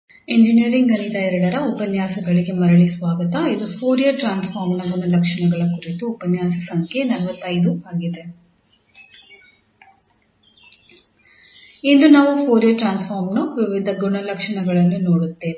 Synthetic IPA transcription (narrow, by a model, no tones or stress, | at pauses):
eɲd͡ʒiniɐɾiŋɡɐnit̪ɐiɾɐɽɐɾɐupɐnjaːsɐɡɐɭiɡe̞mɐɾɐɭisʋaːɡɐt̪ɐid̪upʰoːɾijɐʈɾaːnspʰaːɾmnɐɡuɳɐlɐkʂɐɳɐɡɐɭɐkuɾit̪uːpɐnjaːsɐsɐŋkʰenɐlɐʋɐt̪ːɐjd̪uaːɡid̪e̞ | ind̪unaːʋupʰoːɾjɐʈɾaːnspaːɾmnuʋiʋid̪ʱɐɡuɳɐlɐkʂɐɳɐɡɐɭɐnːunoːɽut̪ːeːne